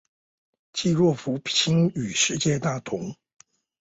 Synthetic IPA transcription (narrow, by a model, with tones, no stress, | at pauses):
t͡ɕi˥˧ɻwɔ˥˩fu˧˥pʰt͡ɕʰi˥ŋy˨˩ʂɻ̩˥˧t͡ɕjɛ˥˧t̪a˥˩t̪ʰʊ˧˥˦ŋ